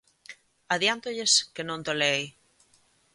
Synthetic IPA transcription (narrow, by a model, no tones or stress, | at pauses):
aðjant̪oʎeskenõnt̪olej